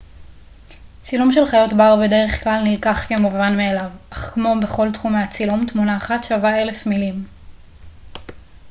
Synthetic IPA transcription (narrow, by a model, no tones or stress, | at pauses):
t͡silumʃe̞lχajo̞tbaʁbe̞de̞ʁe̞χklalnilkaχkemuvanmeːlavaχkmo̞be̞χo̞ltχumeat͡silumtmunaːχatʃavae̞le̞fmilim